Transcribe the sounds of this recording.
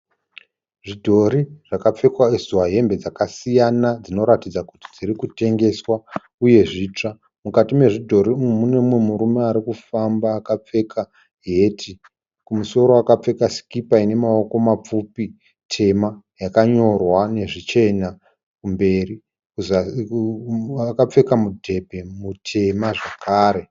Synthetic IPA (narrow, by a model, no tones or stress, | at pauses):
ʐidʱo̞ɾiʐ̥akap͡fe̞kwaezuwaɦe̞mbe̞d͡zakasijanad͡zino̞ɾatid͡zakutid͡ziɾikute̞ŋɡe̞swa | uje̞ʐiːt͡ʂa | mukatime̞ʐidʱo̞ɾimune̞mwe̞muɾumeaɾikufambaːkap͡fe̞kʰa | ɦe̞ːtʰi | kumuso̞ɾoakap͡fe̞kasi̥kipaine̞mao̞ko̞map͡fupi | tʰe̞ma | jakaɲo̞rwane̞ʐit͡ʃe̞na | kumbe̞ri | kua | akap͡fe̞kamudʱe̞pe̞mutʰe̞maʐakʰaːɾe̞